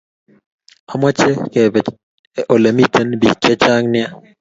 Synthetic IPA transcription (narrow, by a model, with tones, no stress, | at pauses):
a˨mɔ˦t͡ʃɛ˦ke˨bɛ˨ | ʔo˨le˨mi˦tʰe˦nbi˨t͡ʃɛ˦t͡ʃa˦ŋnɪ˦a˦